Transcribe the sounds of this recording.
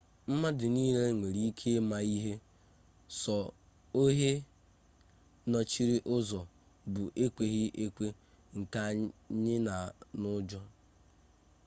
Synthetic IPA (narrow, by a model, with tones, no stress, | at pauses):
m̩˦ma˦dɪ˨ni˦ɦe˦ŋʷe˨ɾi˦i˦kʰe˦ma˨i˦ɦe˦ | sɔ˨ | o˦ɦe˦ | nɔ˦t͡ʃi˦ɾi˦ʔʊ˦zɔ˨ | bʊ˨ʔe˦kʷe˨ɣɪ˦ʔe˦kʷe˦ | ŋ̩˨ka˦ɲɪ˦na˨nʊ˦d͡ʒɔ˦